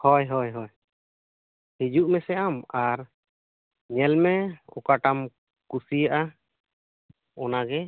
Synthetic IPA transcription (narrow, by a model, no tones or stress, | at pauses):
hɔjɦɔjɦɔj | hid͡ʒuʔmɛsɛamaɾ | ɲɛlmɛɔ̰kaʈam | kusijaʔa | ɔnaɡɛ